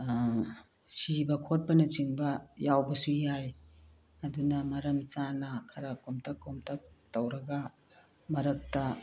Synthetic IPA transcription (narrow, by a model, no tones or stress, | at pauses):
sibɐkʰot̚pɐnɐt͡ʃiŋbɐjawbɐsujaj | ɐdunɐmɐɾɐmt͡ʃanɐkʰɐɾakomtʰɐkːomtʰɐk̚tɐwɾɐɡɐ | mɐɾɐk̚tɐ